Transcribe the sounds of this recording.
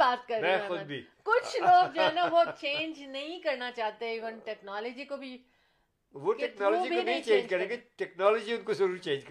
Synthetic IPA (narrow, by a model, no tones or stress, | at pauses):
baːt̪̚kɐɾmɛ̃xʊd̪̚bʱiːkʊt͡ʃʰloːɡ̚d͡ʒanaʋot͡ʃẽːnd͡ʒnɐɦĩkɐɾnat͡ʃaːt̪eɪʋɐnʈɛːknaːləd͡ʒikobʱi | ʋoʈkɛk̪nɔːlɔd͡ʒibʱionĩt͡ʃẽːd͡ʒkɐɾẽɡeʈɛknɔːlɔd͡ʒiʊnkozɐɾuːɾt͡ʃẽːnd͡ʒkɐ